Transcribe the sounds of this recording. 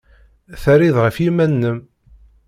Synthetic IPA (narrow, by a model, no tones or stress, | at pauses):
θəɾiðʁəfjimænːəm